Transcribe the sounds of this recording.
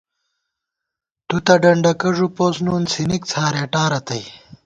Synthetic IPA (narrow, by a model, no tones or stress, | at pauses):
t̪ut̪ɐɖɐɳɖɐkɐʐupoːsnuːnsinik̚t͡sʰaːɾeːʈaːɾɐt̪ɐj